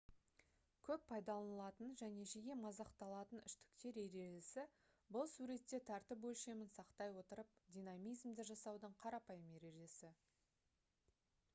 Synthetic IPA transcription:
kʲʰɵppʰːɑjd̪ɑlˠɑnəlˠɑt̪ənʒæne̞ʒeɡʲe̞mɑzɑqt̪ɑlˠɑt̪ənʏʃt̪ɪ̥kt̪e̞ɾeɾe̞ʒɪsɪ | bʊlˠsuɾe̞t̪ːe̞t̪ʰɑɾt̪əpwɵlʃe̞mɪnsɑqt̪ɑjwo̞t̪əɾəp̚d̪ʲijnamʲijzmd̪ɪʒɑsɑwd̪əɴqʰɑɾɑpɑjəme̞ɾe̞ʒesɪ

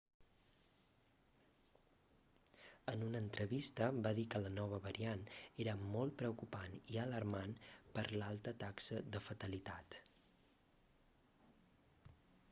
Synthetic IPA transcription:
ənunəːnt̪ɾəβist̪əbaðikələnɔβ̞əβəɾianeɾəmɔlˠt̪̚pɾəwkupaniələrmanpəɾlalˠt̪ət̪aksəðəfət̪əlit̪at̪

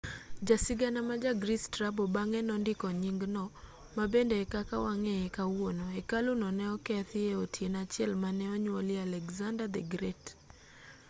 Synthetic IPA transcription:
d͡ʒasiɡanamad͡ʒaɡɾistɾabɔbaŋɛnɔndɪkɔɲiŋɡnɔ | mabɛndɛɛkakawaŋɛɛkawonɔɛkalunɔnɛɔkɛθɪeotʰienat͡ʃjɛlmanɛɔɲolialɛɡzandad̪ɛɡɾɛt

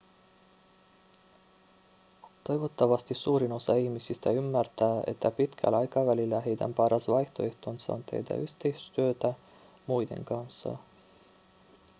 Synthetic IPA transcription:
t̪o̞jʋo̞t̪ːɑʋɑst̪isuːɾino̞sɑiçmisist̪æymːært̪æːe̞̰t̪ːæpit̪kʰæ̰lɑjkɑʋælilːæɦejd̪æ̰mpɑɾɑsʋɑjht̪oeht̪onsɑ̰o̰nt̪ʰḛjt̪æ̰yçt̪eisy̥st̪yøt̪æ | mujd̪e̞̰ŋkɑnsːɑ̰

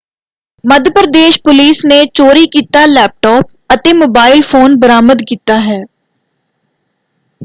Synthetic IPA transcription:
məd̪ʱəpɾəd̪eːʃpʊliːsnet͡ʃoːɾiːkiːt̪aːlɛːp̚ʈɔːp̚ | ət̪eːmoːbaːɪlfʰoːnbəɾaːməd̪kiːt̪aːɦɛː

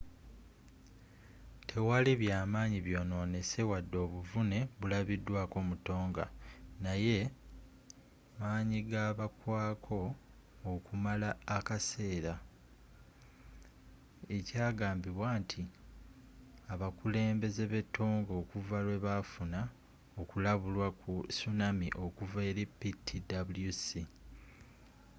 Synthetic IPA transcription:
tʰe̞waliβjaːmaːɲiβjo̞ːno̞ːne̞se̞wadːo̞ːβuvune̞βulaβidːwaːko̞ːmuto̞ːŋɡa̰naje̞ | maːɲiɡaːβakwaːkʰo̞ː | kumalaːkase̞ːɾa | e̞caːɡaːmbiβwaːntʰi | aβakule̞ːmbe̞ze̞βe̞tʰːo̞ːŋɡo̞ːkuvalwe̞βafuna | o̞kulaβulwakusunamiʔo̞kuveːɾe̞pːitʰːidabuljusi

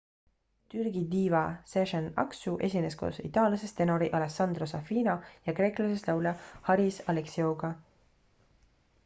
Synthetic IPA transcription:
t̪yrɡid̪iːvɑseʒenɑ̰ksuʔe̞sʲine̞sko̰ːsḭt̪ɑːljɑsest̪e̞no̞ɾiʔɑleksɑnd̪̥ro̞sɑfiːnɑjɑkre̞ːklɑseslɑwlɑhɑɾisɑleksioɡ̥ɑ

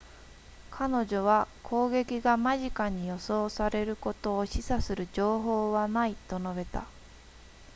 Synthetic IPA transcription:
kʰano̞ʑo̞βakʰo̞ːɡe̞kʲiɡamaʑikaɲ̟ijo̞so̞ːsaɾe̞ɾɯ̟ko̞t̪o̞ːɕisasɨɾɯ̟d͡ʑo̞ːɦo̞ːβanait̪o̞no̞be̞t̪a̰

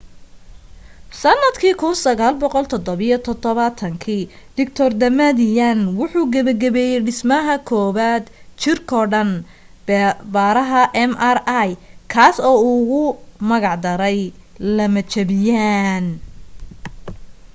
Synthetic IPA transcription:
sɐnːɐd̪kʰiːkʰʊnsɐɣaːlbɔqɔlt̪ʰɔd̪ɔβijɔt̪ʰɔd̪ɔβɐt̪ʰɐŋkʰiː | d̪ɪkt̪ʰɔrd̪ɐmɐd̪ɪjanwʊħuːɡɐβɐɡɐβɛːjɛjɖɪsmɐɦɐkʰɔːβaːd̪t͡ʃɪrkʰɔːɖɐn | bbaːɾɐɦɐʔɛmɐrajkʰaːsɔːʊɣʊmɐɣɑʕd̪ɐɾɛjlɐmɐt͡ʃʰɐβɪjaːn

